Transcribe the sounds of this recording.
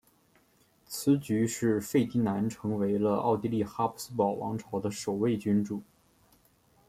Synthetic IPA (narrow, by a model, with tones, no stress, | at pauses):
t͡sʰɹ̩˧˥t͡ɕy˧˥ʂɻ̩˥˧fe˥˩ɪt̪i˥na˧˥nʈ͡ʂʰɤ˧˥ŋwe˧˥ɪlə˧ʔɑ̰˥˩ʊt̪i˥˧li˥˩xa˥pʰu̥˥sɹ̩˥pɑ˨˩ʊwɑ̰˧˥ŋʈ͡ʂʰɑ˨˩ʊd̪ə˦ʂo˨˩ʊwe˥˩ɪt͡ɕy˥nʈ͡ʂu˨˩˦